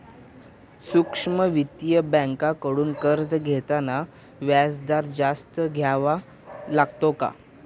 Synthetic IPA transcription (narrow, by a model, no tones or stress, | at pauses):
sukʂməʋit̪ijəbə̃ŋkakəɽuːnkəɾd͡zɡʱet̪ana | ʋjasd̪aɾd͡zast̪əɡʱjaʋa | laɡ̚t̪oka̰